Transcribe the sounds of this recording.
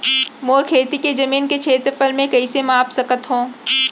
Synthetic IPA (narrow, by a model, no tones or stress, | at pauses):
moːɾkʰeːt̪iked͡ʒɐmiːnket͡ʃʰeːt̪ɾpəlmẽkɐisemaːpsɐkət̪ɦõː